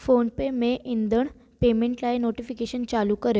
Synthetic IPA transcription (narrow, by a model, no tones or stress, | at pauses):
fonpemeʔind̪əɳ | pemẽɳʈlaenoʈifikeɕənt͡salukəɾe